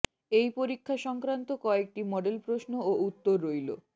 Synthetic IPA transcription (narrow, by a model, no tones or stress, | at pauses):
ejpoɾikʰːaʃɔŋkɾant̪okɔek̚ʈimɔɖelpɾosnoout̪ːoɾːojlo̰